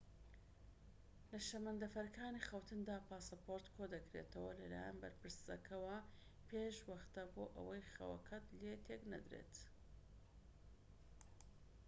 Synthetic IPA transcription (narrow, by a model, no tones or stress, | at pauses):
lɐʃɐmɐnd̪ɐfɐɾkʰaːnixɐwt̪ʰɨnd̪aːpʰaːsɐpʰoɾt̪kʰod̪ɐkɾḛt̪ʰɐwɐlɐla̰ːjanbɐɾpɨɾsɐ̰kʰɐwɐ | pʰeʃwɐχt̪aboːʔɐ̰wɐjxɐ̰wɐ̰kʰɐt̪let̪ʰeknɐ̰d̪ɾḛt̪